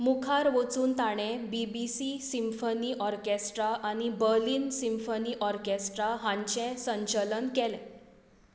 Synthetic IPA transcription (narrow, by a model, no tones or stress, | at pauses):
mukʰaɾʋot͡suːnt̪aɽ̃ẽbibisisimfəniːʔɔɾkesʈɾaʔaɽ̃ibəɾliːnsimfəniːʔɔɾkesʈɾaɦãɲt͡ɕɛ̃sə̃ɲt͡ɕələnkɛlɛ̃